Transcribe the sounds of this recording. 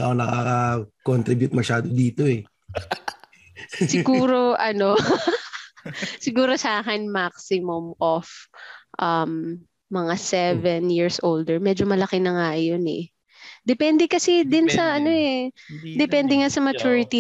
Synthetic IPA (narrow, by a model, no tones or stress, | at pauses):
a̰ʔonɐkɐɐkont̪ɾɪbjut̪̚mɐʃaːd̪od̪iːt̪oɛ | sɪɡuːɾo̞ʔɐno̞ | sɪɡuːɾo̞saːkɛnmak̚sɪmʊmʔofʔɐmː | ɐŋasɛvɛnjiɹsʔowld̪ɛɹmɛd͡ʒomɐlɐkɪnɐŋajonɛ̰ | d̪ɛpɛnd̪ɛkɐsɛd̪ɪnsɐʔɐno̞ɛd̪ɛpɛnd̪ɛŋasɐmɐt͡ʃuːɹɪt̪i